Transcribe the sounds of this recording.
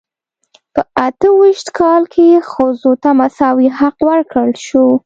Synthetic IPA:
pəat̪əwiʃt̪kʰɑlkʰexozot̪amasɑwiɦaqwəɾkɽəlʃu

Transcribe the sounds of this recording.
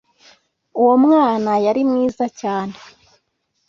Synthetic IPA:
uwomŋaːnajaɾimŋiːzacaːne

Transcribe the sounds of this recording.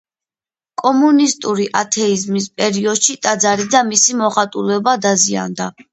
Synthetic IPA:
kʼɔmunist̪ʼuɾiʔat̪ʰɛizmispʼɛɾiɔd̪̥ʃit̪ʼad̪zaɾid̪amisimɔχat̪ʼulɛbad̪azia̰nd̪a

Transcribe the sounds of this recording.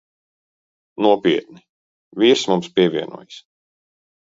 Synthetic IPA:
nuɔpʲiɛt̪̚ni | vʲiːɾsmumspiɛvʲiɛnṵɔjs

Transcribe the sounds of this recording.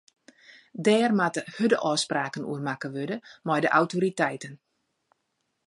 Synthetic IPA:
dɛːrmatəhødəʔɔːspraːkənṵərmakəʋødəmɔjdəʔawtoɾitɛjtən

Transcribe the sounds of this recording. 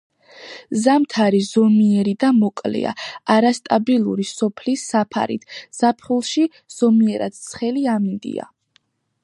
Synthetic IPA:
zamt̪ʰaɾizɔmiɛɾid̪amɔkʼlɛ̰a̰aɾast̪ʼabilˠuɾisɔpʰlisːapʰa̰ɾḭt̪ʰz̥apʰɾulˠʃi | z̥ɔmiɛɾad̪̥̚t̪sʰχɛliamind̪ḭa̰

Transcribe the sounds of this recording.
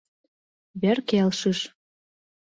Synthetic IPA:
βerkælʃəʃ

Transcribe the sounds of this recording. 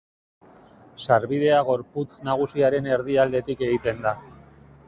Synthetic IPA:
saɾβiðe̞aɣ̞o̞ɾput͡snaɣ̞usiaɾe̞ne̞ɾðiald̪e̞t̪ike̞ɣit̪e̞nd̪a

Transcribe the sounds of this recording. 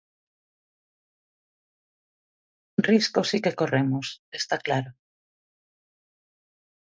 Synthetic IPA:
unriskosikekoremʊsest̪aklaɾo

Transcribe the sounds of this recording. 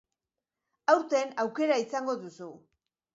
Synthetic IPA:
awɾt̪e̞nawke̞ɾaisaŋɡo̞ðusu

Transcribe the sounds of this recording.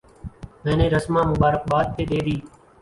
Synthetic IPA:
mɛ̃ːnẽːɾəsmãːmʊbaːɾək̚ɓaːd̪̚t̪eːɗ̪eːd̪iː

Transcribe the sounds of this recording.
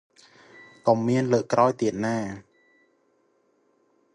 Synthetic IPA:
kɔmːiənləːkːraɔjt̪iət̪̚naː

